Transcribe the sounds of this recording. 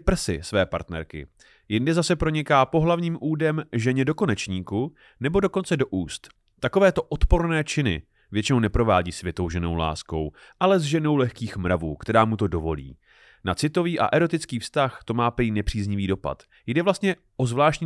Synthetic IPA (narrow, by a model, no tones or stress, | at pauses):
pr̩sɪ̰svɛːpa̰ɾt̪nɛ̰ɾkɪ̰ | jɪndɪzasɛpɾo̞ɲɪkaːpo̞ɦlavɲiːmʔuːdɛmʒɛɲɛdo̞ko̞nɛt͡ʃɲiːku | nɛbo̞do̞ko̞nt͡sɛdoʔuːst̪ː | ako̞vɛːt̪o̞ʔot̪po̞ɾnɛːt͡ʃɪnɪ̰ | vjɛt͡ʃɪnownɛpɾo̞vaːɟiːsvjɛt̪o̞wʒɛno̞̰wla̰ːsko̞w | ʔalɛzʒɛno̞wlɛxkiːxmɾavuːkt̪ɛɾaːmut̪o̞do̞vo̞̰lḭː | nat͡sɪt̪o̞viːʔa̰ʔɛɾo̞t̪ɪt͡skiːfst̪axt̪o̞maːpɛjiːnɛpr̝̥iːzɲɪviːdo̞pa̰t̪ | jdɛvlast̪ɲɛ | ʔozvlaːʃcɲi